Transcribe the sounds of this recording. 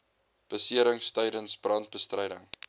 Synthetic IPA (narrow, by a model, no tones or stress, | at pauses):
b̥əsiəɾəŋstəjdənsbrɐnt̚bəstrəjdəŋ